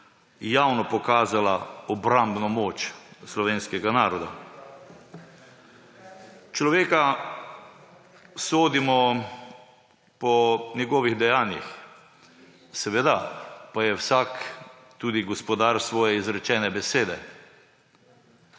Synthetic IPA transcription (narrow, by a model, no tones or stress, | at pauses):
jaːwnɔpɔkaːzalaɔbɾambnɔmoːt͡ʃslɔʋeːnskɛɡanaːɾɔd̪a̰ | t͡ʃlɔʋeːka | soːd̪imɔ | pɔnʲjɛɡɔːʋiɣd̪ɛjaːnjḭx | sɛʋɛd̪apajɛwsak | t̪uːd̪iɡɔspɔd̪aɾsʋɔːjɛizɾɛt͡ʃɛːnɛbɛseːd̪ɛ